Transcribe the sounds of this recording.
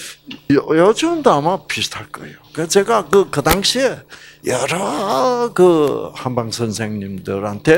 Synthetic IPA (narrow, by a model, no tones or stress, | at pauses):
jjɔt͡ɕomd̪ɯamapʰist̪ʰakɯ̰jokat͡ɕeɡakɯkɯd̪aŋɕʰijaɾakɯhanbaŋsʰənsʰeŋɲimd̪ɯɾant̪ʰe